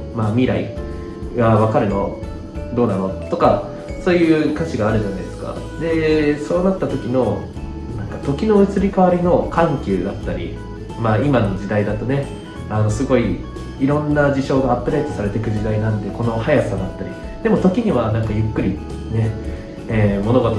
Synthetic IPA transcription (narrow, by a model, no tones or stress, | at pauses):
maːmʲiɾaḭ | βaβakaɾɯ̟no̞ | d̪o̞ːnano̞t̪o̞ka | so̞ːjɯ̟ːkat͡ɕiɡaːɾɯ̟ʑanaid̪esɨ̥ka̰ | d̪e̞so̞ːnat̪ːat̪o̞kʲino̞ | nãŋkat̪o̞kʲino̞ɯ̟t͡sɨɾʲikaβaɾʲino̞kãŋkʲɯːd̪at̪ːaɾʲḭ | maimano̞d͡ʑid̪aid̪at̪o̞ne̞ | ano̞sɨɡo̞iː | ɾõ̞nːad͡ʑiɕo̞ːɡaːpːɯɾe̞ːt̪o̞saɾe̞t̪e̞kɯ̟ʑid̪ainãnd̪e̞ko̞no̞hajasad̪at̪ːaɾʲḭ | d̪̥e̞mo̞t̪o̞kʲiɲ̟iβanãŋkajɯ̟kːɯ̟ɾʲi | ne̞ | eːmo̞no̞ɡo̞t̪o